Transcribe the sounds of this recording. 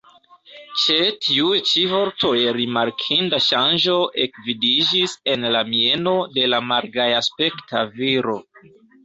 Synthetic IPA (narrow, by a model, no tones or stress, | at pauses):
t͡ʃetʰiujt͡ʃivo̞ɾto̞jɾimaɾkʰindaʃand͡ʒo̞ʔe̞kvidid͡ʒise̞nlamie̞no̞de̞lamaɾɡajaspe̞ktʰaviɾo̞